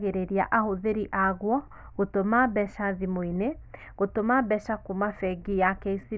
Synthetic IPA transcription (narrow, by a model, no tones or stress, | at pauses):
ɣeɾeɾia̰ʔahoðeɾiʔaɣwɔ | ɣotomabɛʃaðimoine | ɣotomabɛʃakumafɛɡijakɛisi